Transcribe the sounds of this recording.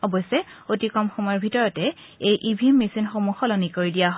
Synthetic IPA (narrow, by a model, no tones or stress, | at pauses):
ɔbɔsɛ | otikɔmxɔmɔjɔɹbʱitɔɹɔtɛ | ejʔibʱimːesinxomuxɔlɔnikoɹidijaɦ